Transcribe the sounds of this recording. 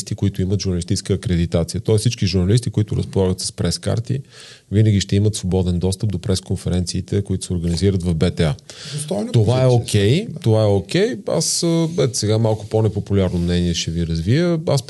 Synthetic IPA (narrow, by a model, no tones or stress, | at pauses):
st̪ikoit̪ʊimət̪ʒʊɾnəlist̪it͡ʃɛ̥skəːkɾɛd̪it̪at̪sijət̪ɔɛssit͡ʃkiʒuɾnɐlist̪ikoit̪ʊɾə̰spolˠaɡət̪sə̥spɾɛska̰ɾt̪ḭ | vinəɡʲiʃt̪ɛimət̪svobɔd̪ɛnd̪ɔst̪əp̚d̪opɾɛskonfɛɾɛnt̪siːt̪ɛkoit̪ʊ̥sɛoɾɡəniziɾət̪vɐvbɛt̪ɛast̪ɔnt̪ovaɛokʲʰɛjt̪ovaɛokʲɛja̰səbɛt̪sɛɡamalˠkʊponɛpopulʲaɾnomnɛniɛʃɛviɾɐzvijəa̰s